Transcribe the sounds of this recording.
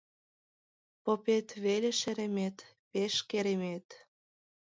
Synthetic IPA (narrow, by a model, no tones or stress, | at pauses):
popet̪βeleʃeɾemet̪ | peʃkeɾemet̪